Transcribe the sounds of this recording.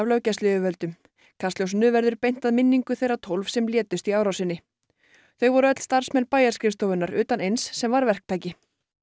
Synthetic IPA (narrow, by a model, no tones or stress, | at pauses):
vlœwcɛst̪lɪʏvœlt̪ʏm | kʰast̪ljowsnʏvɛɾðʏɾpejn̥t̪aðmɪnːiŋkʏθejrat̪ʰowlfsɛmljɛːt̪ʏst̪iaːwɾawsɪnːɪ | θœɥvɔɾʏœt̪l̥st̪aɾ̥smɛnpaːjaɾskɾɪfst̪ɔwvʏnaɾʏːt̪anejnsːɛmvaɾvɛr̥k̚t̪ʰaːjcɪ